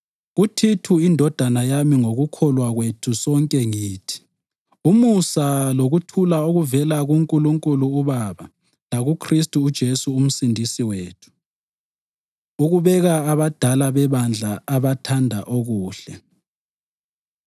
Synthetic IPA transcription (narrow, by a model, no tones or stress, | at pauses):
ɣutʰitʰuindʱɔd̥ʱanajamiŋoɣukʰɔlwaɣwetʰusɔŋkʼɛŋiːtʰi̥ | umusaloɣutʰulauɣuvɛlaɣuŋkʼuluŋkʼuluːβaβa | laɣukʰristʼuːd̥ʒ̥ʱesuːm̩sindʱisiweːtʰu̥ | uɣuβɛɣaːβad̥ʱalaβɛβand͡ɮʱaaβatʰandʱaʔoɣuːɬɛ